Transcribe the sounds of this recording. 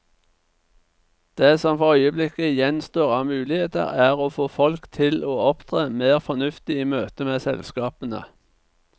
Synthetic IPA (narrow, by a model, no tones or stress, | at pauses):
d̪̥eːsɔmfɔʁœʏəblɪkəjɛnst̪oːʁɑːmʉːlɪheːt̪ə̰ʁæːʁoːfoːfɔlkt̪ʰɪloːɔpt̪ʰʁeːmeːʁfɔnʉft̪ɪiːmøːt̪əmeːsɛ̰lskɑːpənə̰